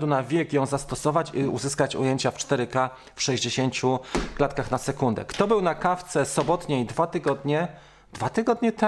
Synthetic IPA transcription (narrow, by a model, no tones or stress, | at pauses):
d̪unavʲjɛkjɔ̃w̃zast̪ɔsɔvat͡ɕiṵzɘskat͡ɕṵjeɲt͡ɕaft͡ʂt̪ɛɾɘka | fʂɛʑd͡ʑeɕeɲt͡ɕuklat̪kaxnasɛkund̪ɛ̰kt̪ɔbɘwnakaft̪sɛsɔbɔt̪ɲeid̪vat̪ɘɡɔd̪ɲɛ | d̪vat̪ɘɡɔd̪ɲɛt̪ɛ